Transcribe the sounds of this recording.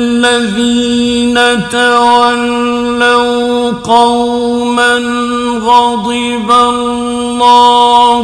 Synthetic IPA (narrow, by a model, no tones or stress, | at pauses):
lːaðiːnat̪awalː | aw | qɑw | man | ɾɑd̪ˤɨ | ba | lːɑː